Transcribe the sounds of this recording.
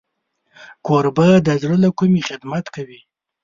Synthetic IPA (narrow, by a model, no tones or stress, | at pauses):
koɾbəd̪əzɽəlakumiχɪd̪mat̪kawi